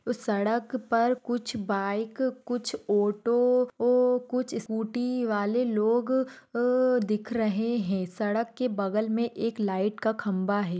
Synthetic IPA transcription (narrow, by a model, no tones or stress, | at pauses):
sɐɽəkpɐɾkʊt͡ʃʰbaːɪkːʊt͡ʃʰoːʈo | kʊt͡ʃʰɪskuːʈiʋaːleloːɡ | d̪ɪkʰɾɐɦeɦɛ̃sɐɽəkːebɐɡəlmẽʔeːklaːɪʈkakʰɐ̃mbaɦɛː